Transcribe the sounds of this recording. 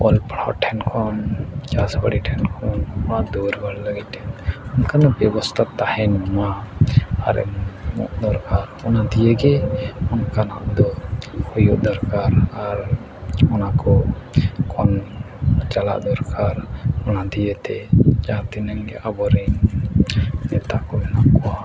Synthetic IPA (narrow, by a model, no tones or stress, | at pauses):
ɔlpɽɔ̰ʈʰɛnkʰɔnt͡ʃasba̰ɽiʈʰɛnkʰɔnɔnad̪uɾɡɔɽləɡitɛnɔnkanabɛbɔst̪ʰat̪ːahɛnmuma | a̰ɾɛ̰mṵʔd̪ɔɾkaɾɔnad̪ijeɡɛɔnkana̰ʔd̪ɔhujuʔd̪ɔɾkaɾaɾ | ɔnakɔ | kʰɔn | t͡ʃala̰ʔd̪ɔɾkʰaɾɔnad̪ijət̪ɛd͡ʒat̪inɛŋɡɛ̰ʔabɔɾɛnː | ɛt̪aʔkɔbɛnaʔkɔwa